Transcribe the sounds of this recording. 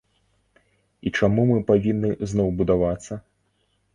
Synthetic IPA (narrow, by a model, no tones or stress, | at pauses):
it͡ʂamumɨpavʲinːɨznɔwbud̪avat̪sːɐ